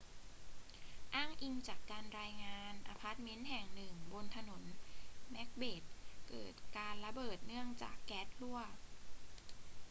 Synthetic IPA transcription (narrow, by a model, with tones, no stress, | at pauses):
ʔaː˥˩ŋʔi˧ŋt͡ɕaː˨˩kːaː˧nɾaː˧jŋaː˧nʔa˧pʰa˦˥t̪̚me˦˥nɦɛ˨˩ŋnɯ˨˩ŋbo˧nt̪ʰa˧no˩˦nːɛ˦˥k̚beː˨˩t̪̚kɤ̰ː˨˩t̪̚kaː˧nla˧bɤː˨˩t̪̚nɯ˥˩əŋt͡ɕa̰ː˨˩kːɛː˦˥t̪̚lu˥˩ɐ